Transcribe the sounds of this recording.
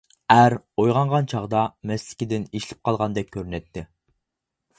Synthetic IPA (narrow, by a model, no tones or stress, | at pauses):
æɾojʁɑɴʁɑnt͡ʃʰɑʁd̪ɑmɛslɪ̥kʲid̪ɪneʃlɪ̥p̚qʰɑlˠʁɑnd̪ɛk̚ʲkʲʰːøɾynɛt̪ʰːɪ